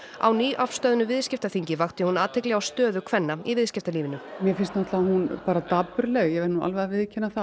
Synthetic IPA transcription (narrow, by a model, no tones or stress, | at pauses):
a̰wniːʔafst̪œːðʏnʏvɪðscɪft̪aθiɲcɪvaxt̪ɪhunaːt̪ʰːɪklɛɣawst̪œːðʏkʰvɛnːaivɪðscɪft̪aliːvɪnʏmjɛfɪnst̪naht̪lavahunpaːɾat̪aːpːʏɾlɛɣjɛvɛɾnua̰lvɛðavɪðcʰɛnːaθa